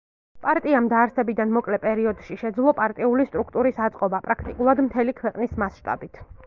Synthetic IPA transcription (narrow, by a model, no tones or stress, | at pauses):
pʼaɾt̪ʼiamd̪aːɾsɛbid̪anmɔkʼlɛpʼɛɾiɔd̪ʃiʃɛd̪zlˠɔpʼaɾt̪ʼiulist̪ʼɾukʰt̪ʼuɾisat̪sʼqʼɔbapʼɾakʰt̪ʼikʼulˠad̪mt̪ʰɛlikʰwɛqʼnismasʃt̪ʼa̰bit̪ʰ